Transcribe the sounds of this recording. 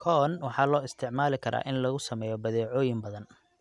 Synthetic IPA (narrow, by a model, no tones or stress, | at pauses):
kʰɔnwɑħɑːlɔːɪst̪ʰɪʕmaːlɪkʰɐɾʔa̰ːʔɪnlɐɣʊsɐmɛːjɔbɐðɛːʕɔːjɪmbɐðɐn